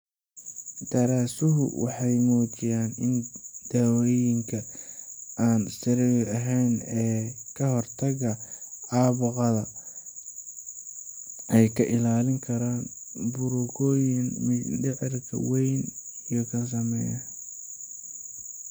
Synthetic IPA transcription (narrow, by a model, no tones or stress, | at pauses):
d̪̥ɐɾaːsʊɦʊ̰wɑħɑjmɔːt͡ʃɪjaːnɪnd̪̥awɔjɪŋkʰɐ | aːnsɪɾɛjɐɦɛjnɛːkʰɐɦɔrt̪ʰɐɣɐɑːβʊqɑðɐ | ʔɛjkʰɐʔɪlaːlɪŋkʰɐɾaːnbʊɾʊkʰɔːjɪnmɪɖɪʕɪrkʰɐ̰wɛjnijɔkʰɐns̬ɐmɛjɐ